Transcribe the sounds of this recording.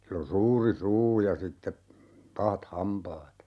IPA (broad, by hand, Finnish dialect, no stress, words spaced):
silː on̞ suːri suː jɑ sitːe pɑhɑt hɑmpɑːt